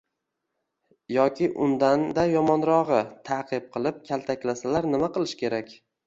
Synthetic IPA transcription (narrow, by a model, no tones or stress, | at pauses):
jɒkʲʰɪʔʊnd̪and̪ajɒmɒnɾɒʁɨt̪ʰaqʰɨp̚qʰɨlˠɪp̚kʲʰalt̪ʰakʲlasalaɾnɪmaqɨlˠɪʃkʲe̞ɾakʲ